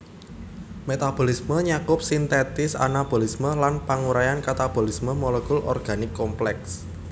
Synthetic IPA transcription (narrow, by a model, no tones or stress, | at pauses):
met̪ab̥o̤lisməɲakʊp̚sint̪et̪ɪsa̰nab̥o̤lisməlanpaŋuɾajankat̪ab̥o̤lisməmɔlekʊlʔɔ̰rɡ̥a̤nɪkːɔmplɛks